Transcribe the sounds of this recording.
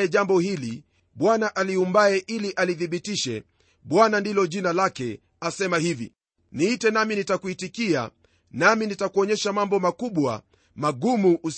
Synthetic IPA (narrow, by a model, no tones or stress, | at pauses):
ɛʄambɔhili | ɓwanaʔaliumbaɛʔiliʔaliðiɓitiʃɛ̰ | ɓwanandilɔʄinalakɛ | asɛmahivḭ | niːtɛnaminitakuitikia̰ | naminitakuɔɲɛʃamambɔmakuɓwa̰ | maɠumuʔːs